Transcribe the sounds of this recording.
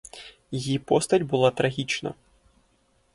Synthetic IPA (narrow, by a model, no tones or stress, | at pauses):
jipost̪ɐtʲbɨlˠat̪ɾɐɣʲit͡ʃnɐ̰